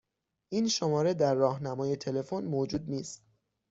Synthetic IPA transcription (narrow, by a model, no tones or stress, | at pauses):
ʔiːnʃo̞mɒːɾe̞d̪æɾːɒːhnæmɒːje̞t̪ʰe̞le̞fonmoːd͡ʒuːd̪niːst̪